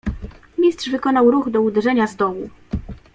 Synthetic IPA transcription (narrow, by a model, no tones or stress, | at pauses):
mʲistʂvɘkɔnawɾuɣd̪ɔud̪ɛʐɛɲazd̪ɔwu